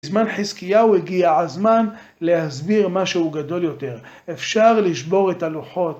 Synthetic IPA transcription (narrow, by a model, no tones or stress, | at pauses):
zmanħizkijaueɡiaʕalzman | lehazbiʁmaʃeuɡad̪o̞ljo̞t̪e̞ʁ | efʃaʁliʃbo̞ʁetaluħo̞t